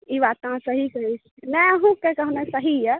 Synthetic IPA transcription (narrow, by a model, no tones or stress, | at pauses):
iβat̪ãsəɦikəɦit͡ʃʰnɛəɦũkɛkəɦnɛsəɦijɛ